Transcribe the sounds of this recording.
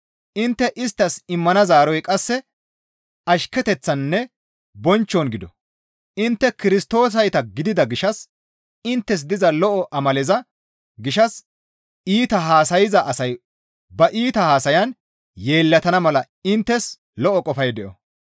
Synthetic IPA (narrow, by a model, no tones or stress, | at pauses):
ʔɪnt̪ːɛʔɪst̪ːɐsɪmːɐnɐzaːɾɔjkʼɐsːɛ | ɐʃkɛt̪ɛt͡sːɐnːɛ | bɔnt͡ʃːɔnɡɪd̪ɔ | ʔɪnt̪ːɛkɪɾɪst̪o̞ːs̬ɐjt̪ɐɡɪd̪ɪd̪ɐɡɪʃɐs | ɪnt̪ːɛs̬d̪ɪzɐlɔʔɔʔɐmɐlɛzɐ | ɡɪʃɐs | iːt̪ɐɦaːsɐjɪzɐʔɐsɐj | bɐʔiːt̪ɐhaːsɐjɐn | je̞ːlːɐt̪ɐnɐmɐlɐ | ɪnt̪ːɛs | lɔʔɔkʼɔfɐjd̪ɛʔɔ